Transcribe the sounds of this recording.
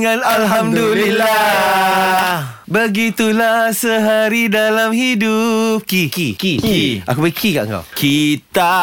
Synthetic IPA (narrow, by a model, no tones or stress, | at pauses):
ŋãnalɦamdulila | bəɡit̪ulahsəɦaɾidalamhidup̚kikikiʔakubaikʰikaʔə̰ŋka̰wkʰit̪a